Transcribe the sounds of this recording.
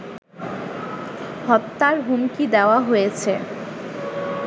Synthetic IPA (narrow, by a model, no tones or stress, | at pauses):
hɔt̪ːaɾɦumkid̪eoaɦojet͡ɕʰe